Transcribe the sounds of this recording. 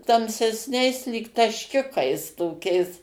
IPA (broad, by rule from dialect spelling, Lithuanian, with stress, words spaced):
tɐmʲsʲɛsʲˈnʲɛɪs lʲiːk tɐʃʲˈkʲʊkɐɪs toːˈkʲɛɪs